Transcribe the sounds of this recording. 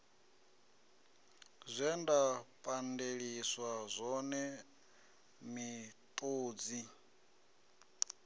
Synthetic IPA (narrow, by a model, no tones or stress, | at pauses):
zʷɛndapʼandeɺiswazʷɔnɛ | mit̪ʼoːd͡zi